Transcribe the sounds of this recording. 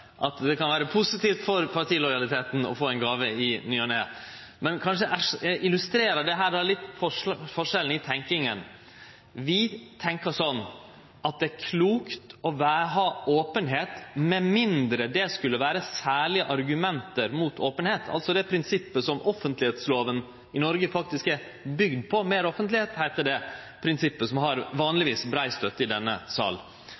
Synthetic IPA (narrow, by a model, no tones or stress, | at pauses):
ʔɑt̪d̪ɛkɑnʋæːɾəpʰʊsɪt̪iːft̪fɔɾpʰɑɾʈʰiːlɔʏɑlɪt̪ʰeːt̪n̩ɔ̰foːɛnɡɑːʋəɪnyːɔneː | mɛnkʰɑnʂəʔæʂɛʔɪlʉst̪ɾeːɾəɖɛɦæːɾdæɭɪt̪ːfɔfɔʂɛlːn̩ɪt̪ʰɛŋkɪŋən | ʋɪt̪ʰɛŋkəsɔnː | ɑt̪̚d̪ɛæɾkʰluːkt̪ɔʋæːɾɦɑːoːpənɦeːt̪mɛmɪnd̪ɾəd̪ɛskʉlːəʋæːɾəsæːɭɪəʔɑɾɡʉmɛnt̪əɾmuːt̪ʰoːpənheːt̪ʰɑ̰lt̪sɔd̪ɛpʰɾɪnsɪpːəsɔmʔɔfənt̪lɪheːt̪sloːʋən | ɪnɔɾɡəfɑk̚t̪ɪskæɾ | bʏɡd̪̚pʰɔmeːɾɔfənt̪lɪheːt̪hæɪt̪əɖɛ | pʰɾɪnsɪpːəsɔmɦɑɾʋɑːnlɪʋiːsbɾæɪst̪œt̪ːəɪd̪ɛnːəsɑ̰ːl